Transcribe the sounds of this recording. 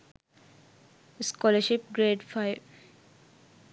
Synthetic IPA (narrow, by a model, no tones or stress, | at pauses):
skɔləʃip̚ɡɾeɖfʰaɪb